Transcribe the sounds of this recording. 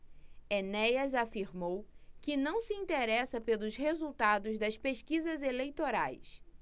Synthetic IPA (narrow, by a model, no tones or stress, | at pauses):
enɛjɐzafiɾmowkɪnɐ̃w̃sɪĩnt̪eɾɛsɐpelˠʊshezuwt̪ad̪ʊzd̪ɐspeʃkizɐzelejt̪oɾa̰js